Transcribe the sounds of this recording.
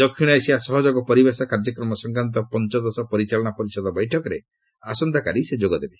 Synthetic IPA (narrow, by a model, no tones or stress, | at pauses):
d̪ɔkʰːiɽ̃ɔesibasɔɦɔd͡ʒɔɡɔpɔɾibesɔkaɾd͡ʒɔkɾɔmɔsɔŋkant̪̬ɔpɔnt͡ʃɔd̪ɔsɔpɔɾit͡ʃalɔɽ̃apɔɾisɔd̪ɔbɔjʈʰɔkɔɾe | asɔnd̪ʱakaɾised͡ʒoɡɔd̪ebe